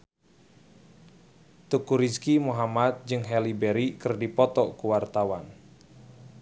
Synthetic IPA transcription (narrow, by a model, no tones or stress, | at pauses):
t̪ukuɾiskimuɦamat̪̚d͡ʒɨŋɦɛlibɛɾikɨrdipɔt̪ɔkuwart̪awan